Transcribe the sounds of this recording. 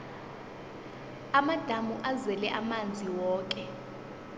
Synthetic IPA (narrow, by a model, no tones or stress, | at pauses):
amad̥ʱamuʔazwɛlɛʔamand͡zʱiwɔːk̬ʼɛ